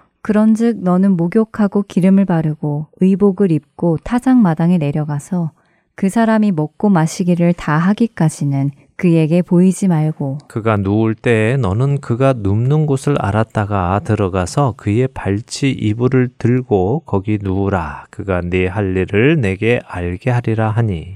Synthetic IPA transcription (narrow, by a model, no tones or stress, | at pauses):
kɯɾʌnd͡ʑɯk̚nʌnɯnmoɡjokʰaɡokiɾɯmɯɭpaɾɯɡoɯiboɡɯɾip̚k͈otʰad͡ʑaŋmadaŋene̞ɾjʌɡasʰʌ | kɯsʰaɾamimʌk̚k͈omaɕʰiɡiɾɯɭtaɦaɡik͈ad͡ʑinɯn | kɯje̞ɡe̞poid͡ʑimaɭɡokɯɡanouɭt͈e̞nʌnɯnkɯɡanumnɯnɡosʰɯɾa̰ɾat̚t͈aɡatɯɾʌɡasʰʌkɯe̞paɭt͡ɕʰiʔibuɾɯɭtɯɭɡokʌɡinuɾakɯɡane̞ɦaʎːiɾɯɭne̞ɡe̞aɭɡe̞ɦaɾiɾaɦaɲi